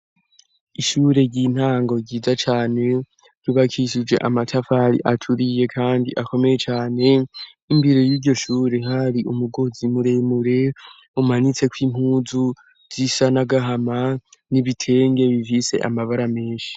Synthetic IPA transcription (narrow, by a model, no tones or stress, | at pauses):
iʃuːɾe̞ɾɟin̥haːŋɡo̞ɾɟiːzat͡ʃaːne̞ | ɾɟuβakʰiʃid͡ʒwe̞̰ʔamatʰafaɾḭʔatʰuɾije̞kʰaːndiʔako̞me̞je̞t͡ʃaːne̞ | imbiɾejiːɾɟo̞ʃuːɾe̞ɦaɾiʔumuɡo̞zimuɾe̞muɾe̞ | umanit͡se̞kwiːm̥huːzu | z̥isanaɡaɦamaniβitʰe̞ːŋɡe̞βivise̞̰ʔa̰maβaɾame̞ːnʃi̥